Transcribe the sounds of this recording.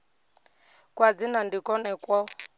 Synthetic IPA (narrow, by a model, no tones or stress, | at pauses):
kwad͡zinandikʼɔnɛkwɔ